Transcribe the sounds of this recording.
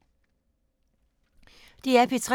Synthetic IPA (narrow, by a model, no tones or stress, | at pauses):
d̥iæɐpʰit͡sʰʁɛ